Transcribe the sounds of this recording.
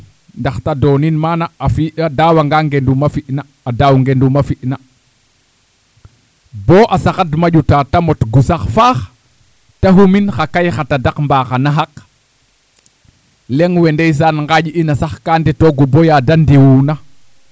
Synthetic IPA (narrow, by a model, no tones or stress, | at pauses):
ndaxtadoːninmanaafiadawaŋɡaŋɡendumafiʔnaːdawŋɡendumafiʔna | boːʔasaxadmaɟutatamotɡusaxfax | taɦuminxakajxatadakmbaːxanaɦak | leŋwendejs̬anŋɡaɟinasaxkaːnditoɡubojadandiwuna